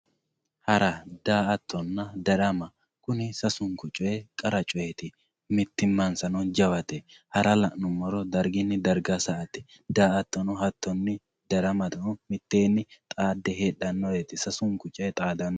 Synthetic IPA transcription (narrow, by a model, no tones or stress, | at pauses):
hɐɾɐd̪̥aːʔɐt̪ːɔnːɐd̪ɐɾɐmɐ | kʊnɪsɐsʊŋkʊt͡ʃʼʊjekʼɐɾɐt͡ʃʼʊjet̪ɪ | mɪt̪ːɪmːɐnsɐnɔnd͡ʒɐwɐt̪ɛhɐɾɐlɐʔnʊmːɔɾɔd̪ɐɾɡɪnːɪd̪ɐɾɡɐsɐʔɐt̪ɪ̥ | d̪aːʔɐt̪ːɔnɔɦɐt̪ːɔnːɪ | d̪ɐɾɐmɐt̪ʊmɪt̪ːeːnːɪt̪ʼaːd̪ːɛɦeːɗːɐnːɔjet̪ɪsɐsʊŋkʊt͡ʃʼɛt̪ʼaːd̪ɐnːɔ